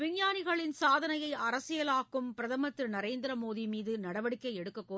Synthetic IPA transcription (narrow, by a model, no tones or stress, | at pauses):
ʋɪɲjaːnɪɣɐɭɪnsaːðɐnɐjɐɪʔɐɾɐsɪjɐlaːkːɯmpɪɾɐðɐmɐt̪ːɪɾnɐɾeːnd̪ɪɾɐmoːðimiːðɯnɐɽɐʋɐɽɪkːɐɪɛɽɯkːɐkːoː